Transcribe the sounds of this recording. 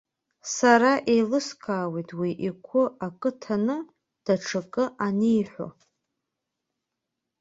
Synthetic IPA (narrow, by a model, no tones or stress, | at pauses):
saɾaʔejlɨskʰaːwejtʼʰwiʔikʷʰʊakʼɨtʰanɨ | d̥aʈ͡ʂʰakʼɨʔanejħʷo̰